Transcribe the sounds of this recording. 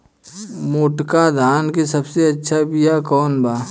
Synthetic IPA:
moːʈkad̪ʱaːnkesɐbseɐtːʃʰabijakɔːnbaː

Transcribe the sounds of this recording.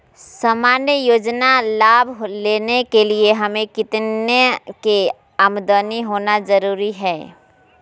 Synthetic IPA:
saːmaːnjəjoːd͡ʒnalaːbʱɦleːnekelieɦɐmẽkɪt̪neke | ɐmd̪əniɦoːnazəɾuːɾiɦɛː

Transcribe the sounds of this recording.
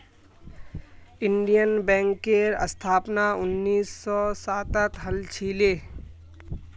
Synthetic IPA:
ɪɳɖijənbɛ̃ːŋkːeɾə̰st̪ʰaːpnaʊnːiːsːɔsaːt̪ət̪ɦəlt͡ʃʰiːleː

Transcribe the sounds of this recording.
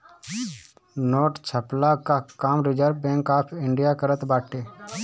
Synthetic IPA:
noːʈt͡ʃʰəplakakaːmɾɪd͡ʒəɾʋbɛ̃ːŋkaːpʰɪɳɖijaːkəɾət̪baːʈeː

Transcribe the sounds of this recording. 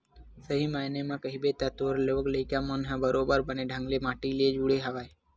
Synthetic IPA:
səɦimaːnemãkəɦibet̪at̪oːɾloɡləikjamənɦɛ̃bəɾoːbəɾbəneɖʱə̃ŋɡlemãːʈilied͡ʒuɽeɦəʋaːe

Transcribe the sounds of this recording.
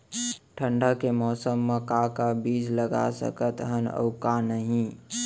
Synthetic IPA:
ʈʰəɳɖakemɔːsəmːẽkakabiːd͡ʒləɡa̰sə̰kət̪ɦənə̰ʊkanəɦĩ

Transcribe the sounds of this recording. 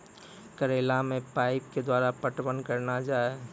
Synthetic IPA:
kəɾeːlamẽpaːɪp̚ked̪waːɾapəʈbənkəɾnad͡ʒaːe

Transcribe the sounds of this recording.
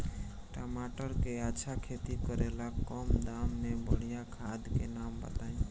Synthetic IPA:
ʈəmaʈəɾkeaːʃʰakʰet̪ikəɾelakɔmd̪amnebəɽ̤ijakʰad̪kḛnambə̰t̪aĩ

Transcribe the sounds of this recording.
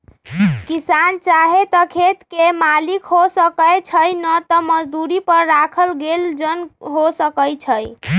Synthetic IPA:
kisant͡ʃaɦet̪əkʰet̪kemalikɦosəkəjt͡ʃʰəjnət̪əməd͡ʒd̪uɾipəɾːakʰəlɡeld͡ʒənɦosəkəjt͡ʃʰəj

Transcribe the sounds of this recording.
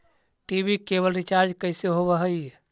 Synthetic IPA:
ʈibikebəlɾit͡ʃaɾd͡ʒkəjseɦobəɦəj

